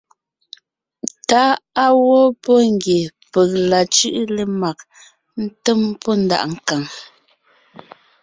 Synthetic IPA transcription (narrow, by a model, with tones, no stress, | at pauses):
ta˨˦a˦wɔ˦pɔ˦ŋ˦ɡje˨pə˨k̚la˨t͡ʃʉ˦ʔle˨ma˨k̚ | n̩˦tə˦mpɔ˦n̩˦da̰˨ʔŋ̩˦ka˨ŋ